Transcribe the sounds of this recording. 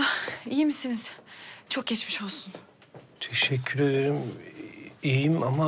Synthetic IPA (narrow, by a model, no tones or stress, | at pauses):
aijimisiniz̥t͡ʃʰo̞k̚ɟɛt͡ʃmiʃo̞lˠsun | t̪ʰeʃɛcʰːyɾe̞d̪e̞ɾim | ijimama